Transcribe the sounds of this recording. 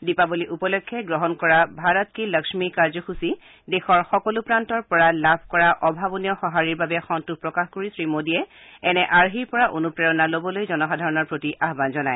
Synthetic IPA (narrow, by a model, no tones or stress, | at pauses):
dipaboliʔupɔlɔkʰːɛɡɹɔɦɔnkɔɹabʱaɹɔtkiləkʃmikaɹzɔxusi | dexɔɹxɔkɔlupɹantɔɹpɔɹalabʱkɔɹaʔɔbʱabɔniɔxɔɦaɹiɹbabɛxɔntupɹɔkaxkoɹisɹimodiɛɛnɛʔaɹɦiɹpɔɹaʔonupɹɛɹɔnalobɔlojzɔnɔxadʱaɹɔnɔɹpɹotiʔaɦbanzɔnaj